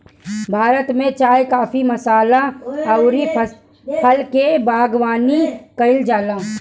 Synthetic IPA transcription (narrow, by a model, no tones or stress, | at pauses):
bʱaːɾət̪mẽt͡ʃaːjkaːfimɐsaːlaɐʊɾi | pʰəlkebaːɡwaːnikɐɪld͡ʒaːlaː